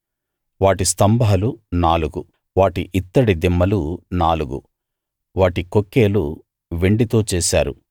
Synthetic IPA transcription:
ʋaːʈist̪ɐmbʱɐaɐlunaːluɡu | ʋaːʈiʔit̪ːɐɽid̪imːɐlunaːluɡṵ | ʋaːʈiko̞kːeːlu | ʋe̞ɳɖit̪o̞ːt͡ʃɛːsa̰ːɾu

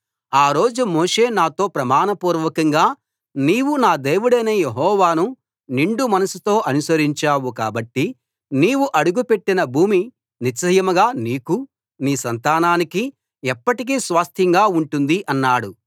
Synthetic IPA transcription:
aːɾo̞ːd͡ʒumɔːʂe̞ːnaːt̪o̞ːpɾɐmaːnɐpuːɾʋɐkɐŋɡaː | niːwunaːd̪e̞ːʋuɽɐjnɐjeɦɔːʋaːnu | niɳɖumɐnɐsut̪o̞ːʔɐnusɐɾiɲt͡ʃaːwuka̰ːbɐʈːi | niːwuʔɐɽuɡupe̞ʈːinɐbʱuːmi | nit͡ʃɐjɐmɐɡaːniːku | niːsɐnt̪aːnaːniki | ɛpːɐʈik̬iːsʋaːst̪ʰjɐŋɡaːuɳʈund̪iʔɐnːaːɽu

